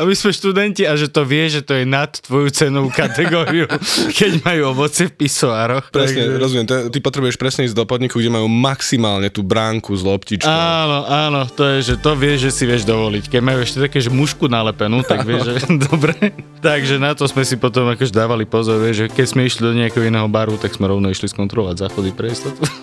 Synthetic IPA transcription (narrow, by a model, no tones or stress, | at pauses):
amismɛʃt̪ud̪ɛnciaʒɛt̪ɔʋɪɛʒɛt̪ɔjɛnat̪ːʋɔjut͡sɛnuʊkat̪ɛɡɔɾiukɛɟmajuːɔʋɔt͡sɪɛfpisɔaːɾɔxpɾɛsɡɲɛɾɔzumɪɛmt̪ɔɛt̪ipɔt̪ɾɛbujɛʃpɾɛsɲɛiːzɟd̪ɔpɔd̪ɲikuɡɟɛmajuːmaksimaːlɲɛt̪uːbɾaːŋkuzlɔpcit͡ʃanɔʔaːnɔt̪ɔjɛʒɛt̪ɔʋɪɛʒʒɛsiʋɪɛʒd̪ɔʋɔlickɛɟmajuɛʃcɛt̪akɛːʒɛmuʃkunalɛpɛnut̪aɡʋɪɛʒɛd̪ɔbɾɛt̪aɡʒɛnat̪ɔsmɛsipɔt̪ɔmakɔʒɛd̪aːʋalipɔzɔɾʋɛʒʒɛkɛcsmɛiʃlid̪ɔɲɛakɛɦɔinɛːɦɔbaːɾut̪aɡsmɛɾɔʊnɔiʃliskɔnt̪ɾɔlɔʋaɟzaxɔd̪ipɾɛist̪ɛt̪ɔ